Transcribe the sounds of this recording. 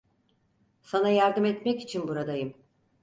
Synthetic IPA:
sanajaɾd̪ɯmɛt̪mɛci̥t͡ʃʰinbuɾad̪ajɯm

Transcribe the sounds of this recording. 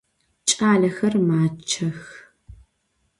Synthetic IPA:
t͡ʃʼaːɮɐxɐrmaːt͡ʃʰɐx

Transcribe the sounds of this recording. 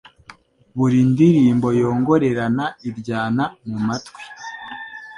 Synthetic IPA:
βuɾindiɾiːmbo̞jo̞ːŋɡo̞ɾe̞ɾanaiɾɟaːnamumatwi̥

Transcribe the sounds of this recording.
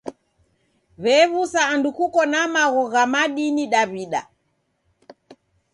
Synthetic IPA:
βɛβusaːndukukɔnamaɣɔɣamaɗiniɗaβiɗa̰

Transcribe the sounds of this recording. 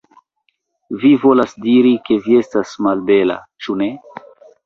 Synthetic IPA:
vivo̞lasdiɾike̞vie̞stasmalbe̞la̰t͡ʃune̞

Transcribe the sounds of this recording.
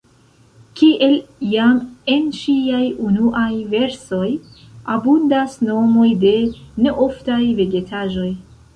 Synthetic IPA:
kiʔe̞ljame̞nʃiajunuʔajve̞ɾso̞j | abundasno̞mo̞jde̞ne̞ʔo̞ftajve̞ɡe̞tʰaʒo̞j

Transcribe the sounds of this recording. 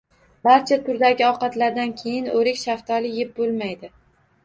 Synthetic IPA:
baɾt͡ʃʰat̪ʰʊɾd̪aɡʲɪɒqɑt̪laɾd̪ankʲʰe̞jɪnoɾɪkʲʃaft̪ʰɒlɪjep̚bolˠmajd̪ɪ

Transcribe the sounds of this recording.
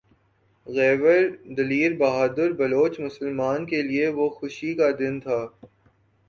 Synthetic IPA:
ɣɛːʋəɾd̪ɐliːɾbɐɦaːd̪əɾbɐloːt͡ʃmʊsəlmaːnkelieʋoxʊʃikad̪ɪnt̪ʰaː

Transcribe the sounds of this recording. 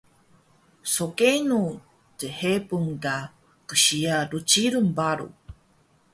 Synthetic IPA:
sokenu | tehepuŋɡa | kəɕiaɾut͡ʃiɾumbaɾṵ

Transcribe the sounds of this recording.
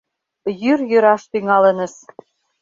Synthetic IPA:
jyrjøɾɑʃt̪yŋɑlə̆nə̆ʃ

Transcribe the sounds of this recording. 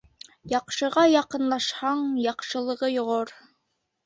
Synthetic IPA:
jɑqʃɤ̆ʁɑjɑqɤ̆nlˠɑʃhɑɴjɑqʃɤ̆lˠɤ̆ʁɤjŏʁoɾ

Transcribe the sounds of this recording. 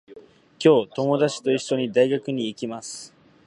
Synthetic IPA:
kʲo̞ːt̪o̞mo̞d̪at͡ɕi̥t̪o̞iɕːo̞ɲ̟id̪aiɡakɯ̟ɲ̟iːkʲimasɨ̥

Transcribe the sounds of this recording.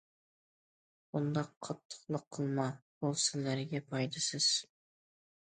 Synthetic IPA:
bund̪ɑqʰːɑt̪ʰːə̥qlˠəqʰːəlˠmɑbolˠsɪlæɾɡʲɛpʰɑjd̪ɨsɪz̥

